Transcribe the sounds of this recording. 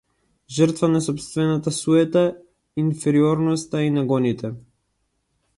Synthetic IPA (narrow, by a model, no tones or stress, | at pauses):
ʒərɾt̪vanasɔpst̪vɛnat̪asuɛt̪a | infɛɾiɔɾnɔst̪ainaɡɔnit̪ɛ